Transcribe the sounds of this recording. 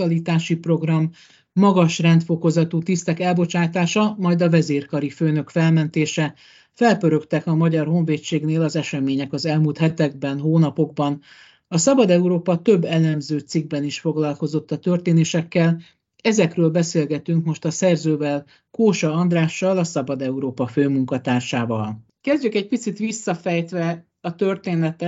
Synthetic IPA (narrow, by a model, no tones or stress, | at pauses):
ɒliːt̪aːʃipro̞ɡrɒmː | ɒɡɒʃrɛnt̪fo̞ko̞zɒt̪uːt̪ist̪ɛkɛlbo̞t͡ʃaːt̪aːʃɒmɒjd̪ɒvɛzeːrkɒɾiføːnø̞kfɛlmɛnt̪eːʃɛ | fɛlpøɾø̞kt̪ɛkɒmɒɟɒrɦo̞ɱveːt͡ʃːeːɡneːlɒzɛʃɛmeːɲɛkɒzɛlmuːlt̪hɛt̪ɛɡ̚bɛnɦoːnɒpoɡ̚bɒn | ɒsɒbɒd̪ɛuɾoːpɒt̪ø̞bːɛlɛmzøːt̪siɡ̚bɛniʃfo̞ɡlɒlko̞zo̞t̪ːɒt̪ø̞rt̪eːneːʃɛkːɛl | ɛzɛkrøːlbɛseːlɡɛt̪yŋkmo̞ʃt̪ɒsɛrzøːvɛl | koːʃɒɒnd̪raːʃːɒlɒsɒbɒd̪ɛuɾoːpɒføːmuŋkɒt̪aːrʃaːvɒ̰l | kɛzɟykɛc̚pit̪sit̪ʋisːɒfɛjt̪ʋɛ | ɒt̪ø̞rt̪eːnɛt̪ɛ